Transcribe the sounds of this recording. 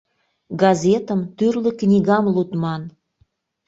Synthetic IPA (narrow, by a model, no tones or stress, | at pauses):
ɡɑzet̪ə̆mt̪yrlə̆knʲiɣɑmlut̪mɑn